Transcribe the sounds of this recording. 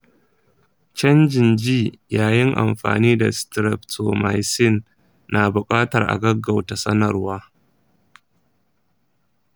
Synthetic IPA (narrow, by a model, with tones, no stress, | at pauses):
t͡ʃɐ˦nd͡ʒɪ˨nd͡ʒiː˦˨jaː˨jɪ˦ŋʔa̰˨mɸa̰ː˨niː˦da̰˨stɾɛ˨p̚tʰo˨ma˨jsɪ˦nː | a˨bʊ˨kʼaː˦tɐ˨rʔa̰˨ɡɐ˦ɡa˨wta˨sɐ˦nɐ˨rwaː˦